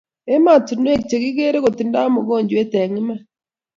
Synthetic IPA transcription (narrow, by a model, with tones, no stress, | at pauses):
e˦ma˦˨tu˨n˦e˦kt͡ʃe˨ɣi˦ɣe˦ɾe˦ɣo˨ti˨nda˦mo˨ɣo˦˨ɲd͡ʒwe˦te˨ŋi˦ma˦